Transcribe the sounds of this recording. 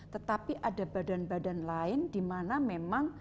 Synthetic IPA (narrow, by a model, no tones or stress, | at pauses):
t̪ət̪apiʔadabadanbadanlaɪndimanamemaŋ